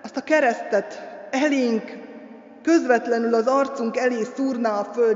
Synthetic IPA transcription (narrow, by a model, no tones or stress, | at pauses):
ɒst̪ɒkɛɾɛst̪ɛt̪ɛleːŋkː | ø̞zʋɛt̪lɛnylɒzɒrt̪suŋkɛleːsuːrnaːlføl